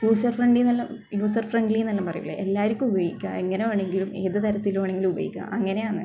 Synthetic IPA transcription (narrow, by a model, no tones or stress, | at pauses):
juːsɐrfreɳɖilnɐlːɐmjuːsɐrfreɳɖilijnɐlːɐmpɐrɐ̰juɐɭḛʔelːaːɾukʲːumubɐjikʲːaeŋːɐneoːɳe̞ŋɡilumeːðɨt̪ɐɾɐt̪ːiloːɳeŋɡilumubɐ̰jḭkʲːua̰ʔɐŋːɐne̞jaːɳːɨ